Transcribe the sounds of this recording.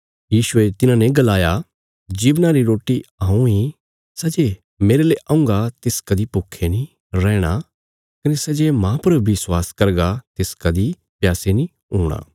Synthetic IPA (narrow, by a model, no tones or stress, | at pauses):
jiːʃʊet̪ɪnãnẽɡɐlaːja | d͡ʒiːʋnaɾiɾoːʈiaːũĩ | sɐd͡ʒe | meːɾeleʔaːʊ̃ŋɡat̪eːskɐd̪ipʊkʰːenĩ | ɾɛːɽ̃a | kɐnesɐd͡ʒemãpɐɾbɪswaːskɐɾɡat̪eːskɐd̪i | pjaːsenĩ | ɦuːɽ̃a̰ː